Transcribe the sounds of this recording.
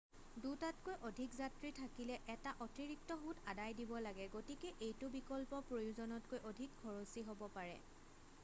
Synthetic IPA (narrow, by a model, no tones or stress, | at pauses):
dutatkojʔodʱikzatɹitʰakilɛʔɛtaʔɔtiɹik̚tɔɦutadajdibɔlaɡɛɡotikeʔejtʊbikɔlpɔpɹojuzɔnɔt̚kojʔodʱik̚ɡʰɔɹosiɦobɔpaɹɛ̰